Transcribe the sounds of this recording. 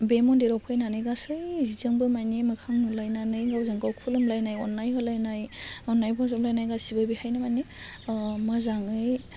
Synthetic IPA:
bemɔndeɾɔpʰɯjnanɯjɡasɯjzizɯŋbɯmajniemɯkʰaŋnulajnanɯjŋɡawzɯŋɡawkʰulɯmlajnajɔnːajɦɔlajnajɔnːajbʰɔnsɔmlajnajɡasibabihajnɯmani | mɯzaŋɯj

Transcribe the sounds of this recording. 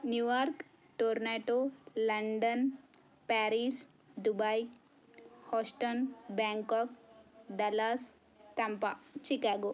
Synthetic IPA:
njujɔɾk | ʈoɾneʈolɐɳɖən | paɾis | d̪ubaj | hɔsʈɔnbɛŋkɔk̚d̪ɐlas | t̪ɐmpat͡ʃikaɡo

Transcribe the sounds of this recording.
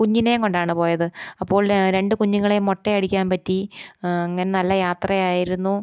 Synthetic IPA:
kuɲːinejŋko̞ɳɖaːɳɨpo̞ːjɐðɨɐpːo̞ːɭɾe̞ɳɖɨkuɲːuŋːɐɭejmːo̞ʈːeɐɽikʲːaːnpɐtːiɐŋːɐne̞nɐlːɐjaːt̪rɐjaːjiɾunːu

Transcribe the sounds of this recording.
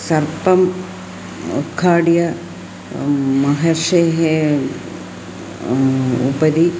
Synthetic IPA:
sɐrpɐm | ut̪kʰːaːɽijɐ | mɐɦɐrʂeːɦe | ṵbɐði

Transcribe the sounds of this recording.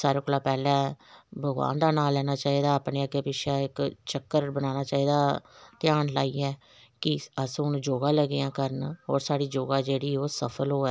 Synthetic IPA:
saːɾeːkoːlaːpɛːlɛ̃ːbʱəɡʋa̰ːnd̪aːnaːlːɛːnaːt͡ʃaːiːd̪aːəpneːəɡepɪʃʰaːɪkt͡ʃəkːəɾbənaːnaːt͡ʃaːiːd̪aːt̪ɪjaːnlaːiːɛː | kɪəsʊnũːd͡ʒoːɡaːləɡeːãːkəɾənɦoːɾsaːɽiːd͡ʒoːɡaːd͡ʒeːɽiːoːsəpʰəlɦoːɛː

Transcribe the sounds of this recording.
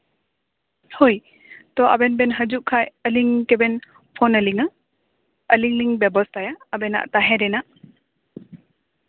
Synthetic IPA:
hoj | t̪ɔʔa̰bɛnbɛnɦəd͡ʒuʔkʰajəliŋkɛbɛn | pʰɔnəliŋa | əliŋliŋbɛbɔst̪ajaəbɛna̰ʔt̪aɦɛɾɛnaʔ

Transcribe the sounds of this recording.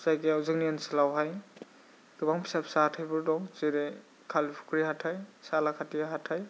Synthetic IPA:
zajkeawzɯk̚niansɯlawɦaj | ɡɯbaŋpʰi̥sapʰsatʰajbɯɾdɔŋzeɾe | kʰalipʰu̥kʰɾihatʰhajsalakʰatiaɦatʰaj

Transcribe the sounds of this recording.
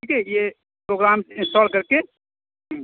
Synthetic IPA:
ikɛje | pɾoɡɾamɪ̃nsʈɔlkəɾke

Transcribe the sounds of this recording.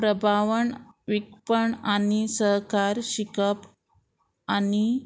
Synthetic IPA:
pɾəbʱaʋəɳʋik̚pəɳanisəɦkaɾɕikəp | ani

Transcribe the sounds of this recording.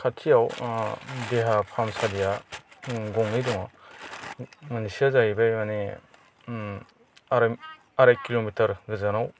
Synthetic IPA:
kʰatʰijaw | deɦapʰamsadija | ɡɔŋniduŋa | manisiazaɦibajmane | ɾ | aɾajkilomitɐɾɡɯzanaw

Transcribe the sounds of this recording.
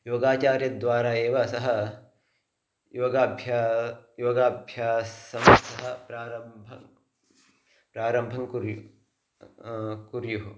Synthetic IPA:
joːɡaːt͡ʃaːɾjɐd̪ʋaːɾaːeːʋɐsɐɦɐ | joːɡaːbʱjajoːɡaːbʱjaːsɐmsɐɦɐpɾaːɾɐmbʱɐ | pɾaːɾɐmbʱɐŋkuɾju | kuɾjuɦu

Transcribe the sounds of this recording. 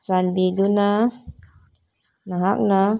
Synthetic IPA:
sanbiduna | naɦak̚na

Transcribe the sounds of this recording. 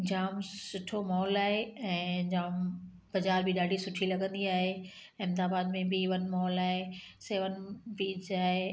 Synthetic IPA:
d͡ʑaːmsʊʈʰomɔːɔlaːɦeɛ̃ːd͡ʑaːm | b̥ɐd͡ʑaːɾbɪɗaːɖʱisʊʈʰilɐɡə̃nd̪iaːɦe | ɪ̃md̪aːbaːd̪mẽbɪʋɐnmɔɦɔlaːɦeseːʋənpiːd͡ʑaːɦe

